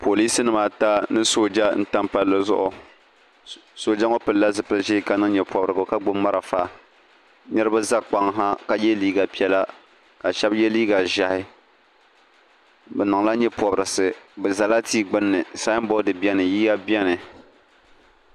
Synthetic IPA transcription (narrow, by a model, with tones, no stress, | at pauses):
pʰo˨li˦sɨ˦nɨ˦˨ma˨ta˦nɨ˦so˨d͡ʒa˦n̩˦ta˦mpa˦lːɨ˦zʊ̰˦ʔʊ˨ | so˨d͡ʒa˦ŋo˦pɨ˨lla˦zɨ˨pɨ˦ʒe˦ka˦nɨ˦ŋ˦ɲɛ˨pɔ˨bɾɨ˨ɡʊ˨ka˦ɡ͡bʊ˦mː˦a˦ɾa˨fa˦ | ɲɛ˦ɾɨ˦ba˦za˦k͡pa˦ŋɦa˦ka˦jɛ˦liː˦ɡa˨pi˦ɛ˦la˦ | ka˨ʃɛ˦bjɛ˦liː˦ɡa˨ʒa˨hɪ˦ | bɛ˨nɨ˨ŋla˦ɲɛ˦pɔ˨bɾɨ˨sɨ˨bɛ˨za˨la˦tiː˦ɡ͡bɨ˦nːɨ˨sa˦bɔ˦dɨ˨bi˦ɛ˦nɨ˨jiː˦ja˦bɛ˦nɨ˨